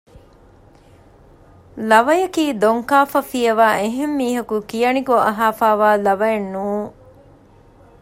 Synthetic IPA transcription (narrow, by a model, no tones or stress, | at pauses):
lɐʋɐjɐkiːd̪oŋkaːfɐfijɐʋaːʔeɦemːiːɦɐkukijɐniɡoɐɦaːfaːʋaːlɐʋɐjɐnːuːŋ